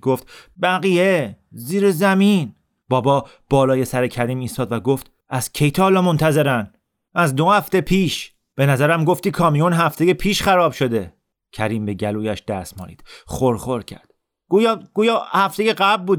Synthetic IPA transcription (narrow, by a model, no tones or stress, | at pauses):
ɡoft̪bæɣijeziːɾezæmin | b̥ɒːbɒː | b̥ɒːlɒːje̞sæɾecʰæɾiːmiːst̪ɒːd̪væɡoft̪ | ʔæz̥cʰe̞jt̪ʰɒːlɒːmo̞nt̪ʰæze̞ɾæn | æzd̪o̞hæft̪e̞pʰiːʃ | b̥e̞næzæɾæmɡo̞ft̪iːkʰɒːmijonɦæft̪e̞jepʰiːʃxæɾɒːbʃo̞d̪e̞ | cʰæɾiːmbe̞ɟæluːjæʃd̪̥æsmɒ̰ːnḭːd̪̥xoɾxo̞ɾcʰæ̰ɾd̪̥ | ɡ̥uːjɡ̥uːjɒːhæft̪e̞jeɢæblbuːd̪